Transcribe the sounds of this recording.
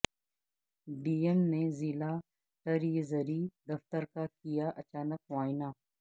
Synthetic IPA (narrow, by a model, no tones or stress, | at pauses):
ɖiːemnezila | ʈɐɾjezəɾid̪ɐft̪əɾkakijaʔɐt͡ʃaːnəkʋaːɪnaː